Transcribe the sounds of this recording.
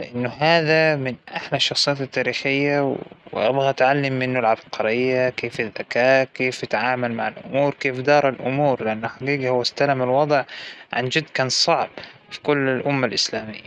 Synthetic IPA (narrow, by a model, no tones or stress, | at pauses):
lɪʔɪnːʊɦaːðamɪnʔaħlaʃːɑxsˤɨjaːt̪ɪt̪ːaːɾiːxɪjːawwɪ̰ʔabɣat̪ʕalːɪmːɪnːʊlʕabqɑɾɪjːakeːfɪðːakaːkeːfjɪt̪ʕaːmalmaʕalʔʊ̰muːɾkeːfd̪ɑːɾˤɑlʔʊmuːɾlɪʔanːʊħaɡiːɡhʊwast̪alamalwɑd̪ˤʕʕa̰nd͡ʒɪd̪kaːnsˤɑʕb | fi̥kʊlːɪlʔʊmːalʔɪslaːmɪ̰jːa